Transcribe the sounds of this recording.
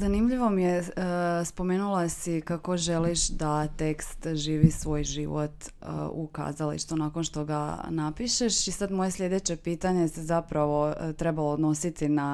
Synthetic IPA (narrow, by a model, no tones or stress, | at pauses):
zanimʎiʋo̞mijespo̞meːnulˠasikako̞ʒe̞liʃd̪at̪e̞kst̪ʒiːʋisʋo̞ːjʒḭʋo̰t̪ | ṵka̰zalḭʃt̪unaːkonʃt̪oɡa̰napiʃe̞ʃisad̪mo̞je̞slʎʲed̪e̞t͡ɕe̞piːt̪aɲe̞sezapɾaʋo̞t̪ɾe̞baloːd̪no̞sit̪ina